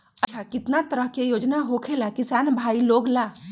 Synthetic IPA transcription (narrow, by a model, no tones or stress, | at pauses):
ət͡ʃʰakit̪nat̪əɾəɦkejod͡ʒnaɦokʰelakisanbʱailoɡla